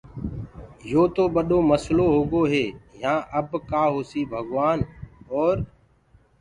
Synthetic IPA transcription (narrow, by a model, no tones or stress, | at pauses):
joːt̪oːɓəɗoːməsloːɦoːɠoːɦeːjãːʔəbkaːɦoːsiːbʱəɠʋaːnɔːɾ